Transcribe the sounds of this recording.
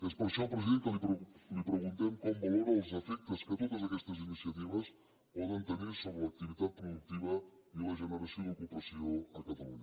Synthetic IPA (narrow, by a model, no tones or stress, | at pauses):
espɾəsapɾəziðent̪əliplipɾəɣunt̪emkɔmbɐloɾɐlˠzəfɛk̚t̪əskət̪ot̪ɐzakɛst̪ɐzinisjɐt̪iβɐs | pɔðɐnt̪əniɾsoβɾəlɐk̚t̪iβit̪at̪̚pɾuðuk̚t̪iβɐ | ilɐʒənəɾasjoðukupɐsioɐkɐt̪ɐlṵɲɐ